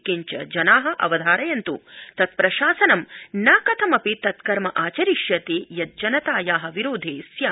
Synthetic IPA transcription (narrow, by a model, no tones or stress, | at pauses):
kiɲt͡ʃɐ̰d͡ʒɐnaːɦɐ̆ʔɐ̰ʋɐd̪ʱaːɾɐjɐnt̪ṵt̪ɐt̪̚pɾɐʃaːsɐnɐmnaːkɐt̪ʰɐmɐpit̪ɐt̪kɐɾmɐʔaːt͡ʃɐɾiʃjɐt̪ejɐt̪̚d͡ʒɐnɐt̪aːjaːɦɐ̆ʋiɾoːd̪ʱeːsjaː